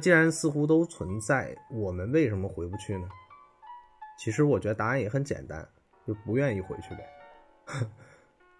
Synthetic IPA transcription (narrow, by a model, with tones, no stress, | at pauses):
t͡ɕi˥ɻa˧˥nsɹ̩˥˧xu˥t̪̬o˥ʊt͡sʰwə˧˥nt͡sa˥˩ɪwɔ˨˩mə˦nwe˥˩ɪʂə˧˥mə˧xwe˧˥ɪpu˧˥˩t͡ɕʰy˥˩nə˩ | t͡ɕʰi˧˥ʂɻ̩˧˥wɔ˨˩t͡ɕɥɛ˧˥d̪ə˧t̪a˥ɻə˥˩njɛ˧˥xə˧˥nt͡ɕjɛ̰˨˩nt̪a̰˥n | t͡ɕjo˥˩pu˧˥ɥɛ˥˧ni˥˩xwe˧˥ɪt͡ɕʰy˥˩d̪ə̰˨˩